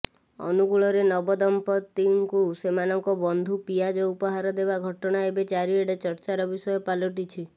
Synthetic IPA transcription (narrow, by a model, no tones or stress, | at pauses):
ɔ̰nuɡuɭɔɾenɔbɔd̪ɔmpɔt̪iŋkusemanɔŋkɔbɔnd̪ʱupijad͡ʒɔupɔɦaɾɔd̪ebaɡʱɔʈɔɽ̃aebet͡ʃaɾieɽet͡ʃɔɾt͡ʃaɾɔbisɔjɔpalɔʈit͡ʃʰi